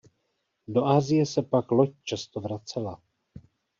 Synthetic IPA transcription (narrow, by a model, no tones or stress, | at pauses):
do̞ʔaːzɪjɛsɛpaklo̞c̚t͡ʃast̪ovɾat͡sɛla